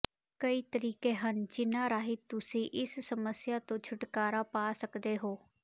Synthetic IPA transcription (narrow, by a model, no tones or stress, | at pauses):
kəiːt̪əɾiːkeːɦənt͡ʃɪnaːɾaːɦɪt̪ːʊsĩːʔɪssəməsjaːt̪õːt͡ʃʰʊʈkaːɾaːpaːsəkd̪eːɦoː